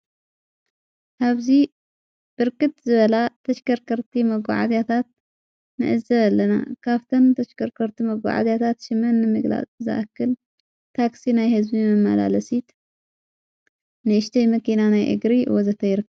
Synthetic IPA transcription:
ʔaβzi | b̥ɨɾkɨt̪zɨβɐlat̪ʰɐʃkɐɾkʰɐɾt̪ʰimɐɡʷa̰ʕa̰zjat̪ʰat̪̚ | nɨ̰ʔɨzɐlːɐna̰kʰaβt̪ʰɐnt̪ʰɐʃkʰɐɾkʰɐɾt̪ʰimɐɡʷa̰ʕa̰zjat̪ʰat̪ʃɨmɐnːɨmɨɡla̰t͡sʼzɨ̰ʔakːɨl | t̪ʰaksinajhɨzbimɐmːa̰la̰lɐsit̪ | nɨʃt̪ʰɐjmɐkinanajʔɨ̰ɡɾḭwɔzɐt̪ʰɐjɪɾɨkː

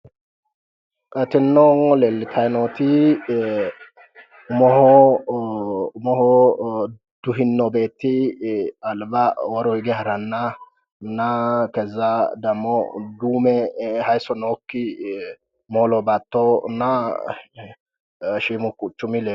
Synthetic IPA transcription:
kʼɐt̪ɪnːɔŋɔlɛlːɪt̪ʰɐjnot̪ɪ | mɔhɔ | mɔhɔ | d̪̥ʊɦɪnːɔbe̞ːt̪ːɪ | ɐlbɐwɔɾɔɪɡɛɦɐɾɐnːɐ | nɐkɛzɐd̪ɐmːɔd̪uːmɛhɐjsɔnoːkːɪ | moːlɔbɐt̪ːɔnɐ | ʃiːmʊkʊt͡ʃːʊmɪlɛ

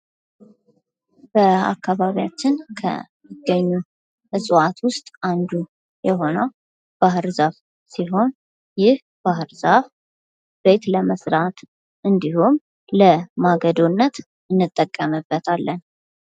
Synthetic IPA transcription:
b̥əa̰kːaβaβijat͡ʃːɪnkʰə̰mɨɡəɲːu | ɨsʼwat̪ʰwʊst̪ʼand̪u | jɛɦo̞nəw | b̥aɦɨɾzaf | siɦo̞n | jɪh | b̥aɦɨɾzaf | b̥e̞t̪ləməsɾat̪ | ʔɨnd̪ihum | ləmaɡəd̪onːət̪ | ɨnːɨt̪ʼːəkʼːəmɨbːət̪ʰalːən

